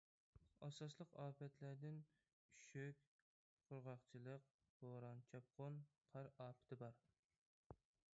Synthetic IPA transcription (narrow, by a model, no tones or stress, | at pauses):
ɑsɑslˠəqɑːpɛt̪ʰlæɾd̪ɪn | ʃøkʲ | qʰʊɾʁɑqt͡ʃʰilˠəq̚ | hoɾɑnt͡ʃʰɑp̚qʰonqʰɑɾɑːpʰɪ̥t̪ʰɪbɑɾ